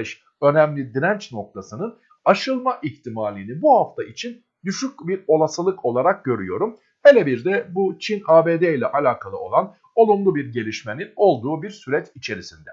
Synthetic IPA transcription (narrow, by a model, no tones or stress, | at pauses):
ʃ | ø̞næmlʲid̪iɾænt͡ʃno̞k̚t̪ʰasɯnɯn | aʃɯlˠmaʔiçt̪ʰimaːlʲiːninbuhaft̪ʰaʔit͡ʃʰin | d̪yʃycʲbiɾo̞lˠasɯlˠɯkʰo̞lˠaɾak̚ɟø̞ɾy̰jo̞ɾum | he̞lʲebiɾd̪ɛbut͡ʃʰinaːbeːd̪ɛilʲɛʔalʲaːkʰalˠɯo̞lˠan | o̞lˠumlˠubiɾɟe̞lʲiʃme̞nino̞lˠd̪uːbiɾsyɾɛt͡ʃit͡ʃʰe̞ɾisind̪ɛ